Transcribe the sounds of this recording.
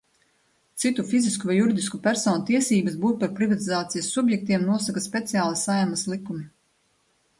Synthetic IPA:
t̪sit̪ufiziskuvajːuɾid̪iskupʲæɾsɔːnut̪iɛsiːbəsbuːɾ̚paɾpɾivat̪izaːt̪sijɐsːubjɛk̚t̪iɛmnuɔsakaspʲet̪sijaːlˠisajmɐslˠikumi

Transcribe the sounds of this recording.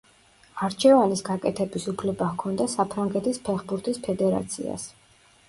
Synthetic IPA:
aɾt͡ʃʰɛvanisɡakʼɛt̪ʰɛbisupʰlɛbakʰɔnd̪asapʰɾaŋɡɛt̪ʰispʰɛχbuɾt̪ʰispʰɛd̪ɛɾa̰t̪sʰḭa̰s

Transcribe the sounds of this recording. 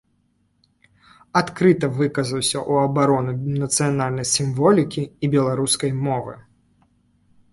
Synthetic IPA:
at̪kɾɨt̪ɐvɨkɐzɐwsʲɐʔuɐbaɾɔnunɐt̪sɨjanalʲnɐjsʲimvɔlʲikʲiːbʲɛlˠaɾuskɐjmɔvɨ̰

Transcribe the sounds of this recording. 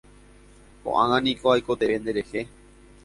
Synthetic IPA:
ko̰ʔãŋãnĩkoajko̞t̪eend̪eɾehe

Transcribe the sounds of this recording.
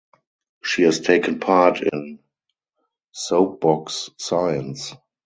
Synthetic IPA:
ʃiːɛstʰeɪkə̃npʰaɹtʰɪ̃n | soʊp̚b̥ɔksːaɪə̃ns

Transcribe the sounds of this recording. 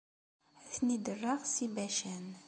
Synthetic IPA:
θnid̪ərːɑʁsibæʃæn

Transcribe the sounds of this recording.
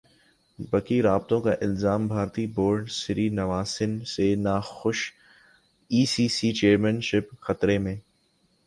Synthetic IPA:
bɐkiɾaːb̚t̪õkaʔɪlzaːmbʱaːɾt̪iboːɾɖsɪɾiːnɐʋaːsɪnsenaːxʊʃ | iːsiːsiːt͡ʃeːɾmənʃɪpxɐt̪ɾemẽː

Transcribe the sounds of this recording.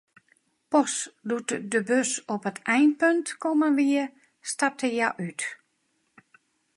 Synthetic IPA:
pɔsdutdəbøsɔpətʰɛjnpøntkɔmənʋiə | stap̚tʰəjaʔyt

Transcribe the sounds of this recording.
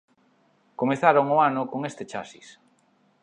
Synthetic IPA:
komeθaɾoŋʊanʊkoŋest̪et͡ʃa̰sḭs

